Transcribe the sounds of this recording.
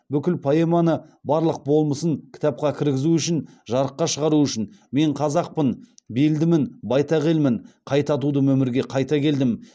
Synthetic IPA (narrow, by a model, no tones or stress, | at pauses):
bʏkʲɪlpʰɑjemɑnəbɑɾlˠəq̚bo̞lˠməsəŋkʲʰɪ̥t̪ɑp̚qɑkʲʰɪɾɡʲɪzuʏʃɪn | ʒɑɾəqːɑʃəʁɑɾuʏʃɪnme̞ɴqʰɑzɑq̚pənbeld̪ɪmɪnbɑjt̪ɑʁʲelmɪɴqʰɑjt̪ɑt̪̬ud̪əmɵmɪɾɡʲe̞qʰɑjt̪ɑkʲʰe̞ld̪ɪm